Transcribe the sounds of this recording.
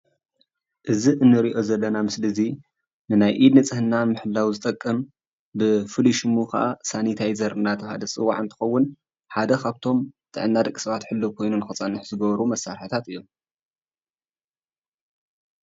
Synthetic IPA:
ʔɨziʔɨnːɨɾiʔo̞zɐlːɐnamɨslɨzi | nɨnajʔid̪nɐt͡sʼɨhɨnːanmɨħɨlːawzɨt̪ʼɐkʼːɐm | bɨfɨliʃɨmukʰa̰ʔasanit̪ʰajzɐɾʔɨnat̪ʰɐβha̰d̪ɐt͡sʼɨwːa̰ʕɨnt̪ʰɨ̥xɐwːʊn | ħad̪ɐkʰaβt̪ʰo̞mt̪ʰʼɨ̰ʕɨnːad̪ɐkʼːi̥sɐβat̪ħɨlːɨβkʰo̞jnunɨxɐt͡sʼanɨħzɨɡɐβɐɾumɐsaɾħɨt̪ʰat̪ɨjːom

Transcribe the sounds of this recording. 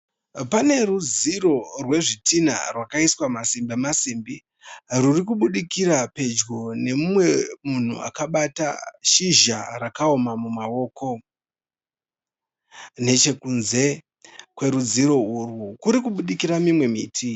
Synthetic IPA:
pane̞ruziro̞rwe̞ʐitina̰rwakaiswamasimbemasimbi | rurik̬uɓuɗikiɾape̞d͡ʒɡone̞mumwe̞mun̤ṵa̰kaɓata̰ʃiʒarakaomamumao̞ːko̞ | ne̞t͡ʃe̞kunze̞ | kwe̞ɾud͡ziɾo̞urwukuɾikuɓuɗikiɾamimwe̞miːtʰi

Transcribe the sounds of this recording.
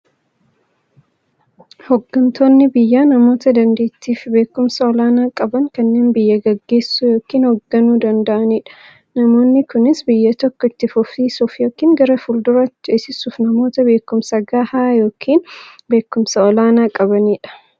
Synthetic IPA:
hɔɡːɐnt̪ʰo̞ːnːɪbɪjːaːnɐmo̞ːt̪ɐd̪ɐnd̪e̞ːt̪ːiːfbe̞ːkːʊmsɐɔlaːnaːkʼɐbɐŋkɐnːe̞ːnbɪjːɐɡɐɡːe̞ːsːujo̞ːkiːnhɔɡːɐnuːd̪ɐnd̪ɐʔɐniːᶑɐ̥ | nɐmo̞ːnːɪkʊnɪsbɪjːɐt̪ɔkːɔɪt̪ːɪfʊfiːsʊfjoːkiːŋɡɐɾɐfʊld̪ʊɾaɪt͡ʃesɪsuːfnɐmo̞ːt̪ɐbe̞ːkːʊmsɐɡaːhaːjo̞ːkʰiːnbe̞ːkːʊmsɐɔlaːnaːkʼɐbɐniːᶑɐ̥

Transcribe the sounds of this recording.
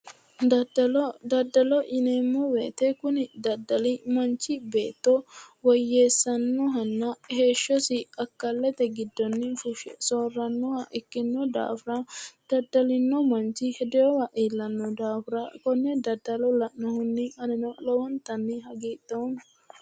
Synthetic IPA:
d̪ɐd̪ɐlɔd̪ɐd̪ːɐlɔʔɪnɛmːɔweːt̪ɛkʊnɪd̪ɐd̪ːɐlɪmɐnt͡ʃːɪbe̞ːt̪ːɔwɔjːeːsːɐnːɔɦɐnːɐhe̞ːʃːɔsɪɐkːɐlːɛt̪ɛɡɪd̪ːɔnːɪfʊʃsoːrːɐnːɔwɐʔɪkːɪnːɔd̪a̰ːfɾɐd̪̥ɐd̪ɐlɪnːɔmɐnt͡ʃːɪhɛd̪ɛɔwɐʔiːlːɐnːɔd̪aːfɾɐkɔnːɛd̪ɐd̪ːɐlɔlɐʔnɔhʊnːɪɐnɛnɔlɔwɐnt̪ɐnːɪɦɐɡiːt̪ːon

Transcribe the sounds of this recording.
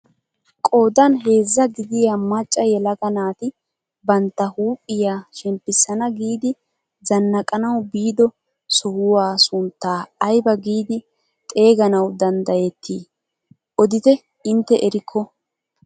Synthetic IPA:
kʼo̞ːd̪ɐnɦe̞ːzːɐɡɪd̪ɪjamɐt͡ʃʼːɐjɛlɐɡɐnaːt̪ɪ | bɐnt̪ːɐhuːpʼːɪjaːʃɛmpːɪsːɐnɐɡiːd̪ɪ | zɐnːɐkʼɐnɐwbiːd̪ɔ | sɔhʊwaːsʊnt̪ːaːjbɐɡiːd̪ɪ | t̪ʼe̞ːɡɐnɐwd̪ɐnd̪ɐjɛt̪ʰːiː | ʔɔd̪ɪt̪ɛ | ɪnt̪ːɛʔɛɾɪkʰːɔ

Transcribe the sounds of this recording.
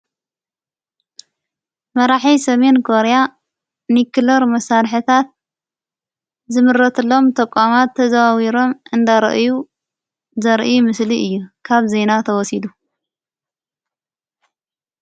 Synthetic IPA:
mɐɾaħisɐme̞nkʰoɾja | nikɨlɐɾmɐsaɾħɨt̪ʰat̪̚ | zɨmɨɾɐt̪ʰɨlːo̞mt̪ʰʼɐkʷʼːamat̪ʰːɐzawawiɾo̞mʔɨnd̪aɾɐ̰ʔu | zɐɾʔjumɨsliɨjːukʰaβze̞nat̪ʰɐwɔsid̪u

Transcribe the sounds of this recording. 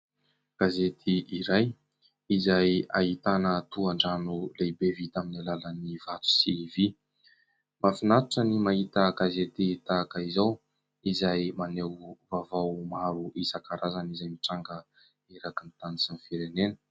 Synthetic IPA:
ɡ̥azet̪ʰiʔiɾaj | izaja̰ɦit̪anət̪uaɳɖ͡ʐanulebevit̪aminalalənivat̪u̥sivi | mafinat̪uʈ͡ʂənimaɦit̪əɡazet̪it̪akəizaw | izajmanewvavawmaɾuʔisakaɾʔazanizajmiʈ͡ʂaŋɡə | eɾakint̪anisinifiɾenenə̥

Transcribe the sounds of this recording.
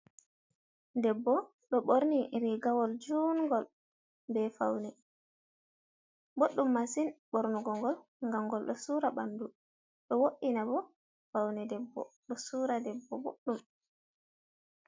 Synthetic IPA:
dɛbːɔ | ɗɔɓoɾniɾiɡawɔld͡ʒuːnŋɡɔl | bɛfawnɛ | boɗːumːasinɓoɾnuɡɔŋɡɔl | ŋɡaŋɡɔlɗɔsuːɾaɓandu | ɗɔwoʔinabɔ | fawnɛdɛbːɔ̰ɗɔsuːɾadɛbːɔbo̰ɗːum

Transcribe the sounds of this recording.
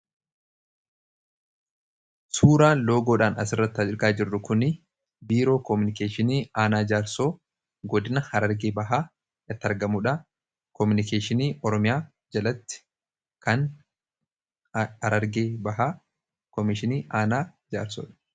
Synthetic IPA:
suːɾaːnlo̞ːɡoːᶑaːnɐsɪrːɐt̪ːhɐɪɾɡaːd͡ʒɪrːʊkʊnɪ | biːɾo̞ːkɔmʊnɪkeːʃɪniːaːnaːd͡ʒaːɾso̞ː | ɡɔd̪ɪnɐhɐɾɐɾɡeːbɐɦaː | ɐt̪ːɐɾɡɐmʊᶑɐ | kɔmʊnɪke̞ːʃɪniːʔɔɾɔmɪjaː | d͡ʒɐlɐt̪ːɪ̥ | kɐn | ɐɾɐɾɡeːbɐɦaː | kɔmɪʃɪniːʔaːnaːd͡ʒa̰ːɾso̰ːᶑɐ̥

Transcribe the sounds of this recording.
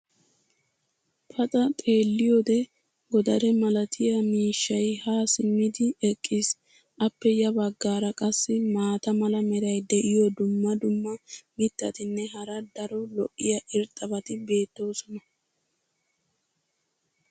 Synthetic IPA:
pʰɐt̪ʼɐt̪ʼe̞ːlːɪjod̪ɛ | ɡɔd̪ɐɾɛmɐlɐt̪ʰɪjɐmiːʃːɐjhaːsɪmːɪd̪ɪɛkʼːis | ʔɐpːɛjɐbɐɡːaːɾɐkʼɐsːɪmaːt̪ɐmɐlɐmɛɾɐjd̪ɛʔɪjɔd̪ʊmːɐd̪ʊmːɐmɪt̪ːɐt̪ɪnːɛɦɐɾɐd̪ɐɾɔlɔʔːɪjɐʔɪɾt̪ʼːɐbɐt̪ɪbe̞ːt̪ːo̞ːsɔnɐ

